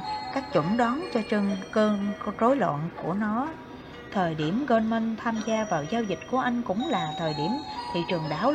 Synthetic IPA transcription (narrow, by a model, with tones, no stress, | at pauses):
kaː˦˥k̚t͡ɕʊ̰˧˩nɗɔ˨˦nt͡ɕɔ˧t͡ɕɨ˧ŋkəː˧nzo˨˦jlwa̰˧˨nku˧˩ənɔ˨˦ | t̪ʰəː˨˩jɗi˧˩əmɣəː˧nmə˧ŋt̪ʰaː˧mzaː˧vaː˨˩wzaː˧wzï˨˩k̟̚ku˧˩əʔa˧jŋ̟kʊ̰˧˥ŋ͡mlaː˨˩t̪ʰəː˨˩jɗi˧˩əmt̪ʰi˨˩t͡ɕɨ˨˩əŋɗaː˧˩w